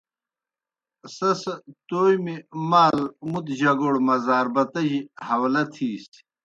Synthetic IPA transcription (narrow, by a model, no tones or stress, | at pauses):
sɐsɐt̪oːjmimaːlmut̪ʑɐɡoɽmɐzaːɾbɐt̪ɐʑihɐwlɐt̪ʰiːst̪